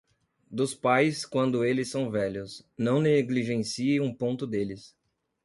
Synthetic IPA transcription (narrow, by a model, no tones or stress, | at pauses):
d̪ʊspajskwɐ̃nd̪ʊelɪsːɐ̃w̃vɛʎʊsnɐ̃w̃neɡliʒẽsieũpõnt̪ʊd̪elɪs